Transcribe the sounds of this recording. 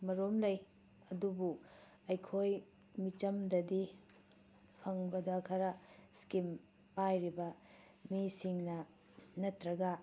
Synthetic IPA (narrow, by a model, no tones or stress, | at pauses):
mɐɾomlɐj | ɐdubu | ɐjkʰoj | mit͡ʃɐmdɐdi | pʰɐŋbɐdɐkʰɐɾɐskim | pajɾibɐ | misiŋnɐ | nɐtɾɐɡɐ